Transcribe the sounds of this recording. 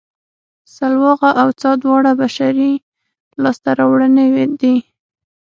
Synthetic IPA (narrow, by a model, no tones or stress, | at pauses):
salwɑɣaʔawt͡sɑd̪wɑɽabaʃaɾi | lɑst̪aɾɑwɽənewed̪i